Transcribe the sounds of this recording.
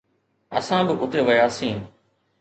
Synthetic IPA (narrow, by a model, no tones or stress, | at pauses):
ə̰sãːbɪʔʊt̪eʋəjaːsĩː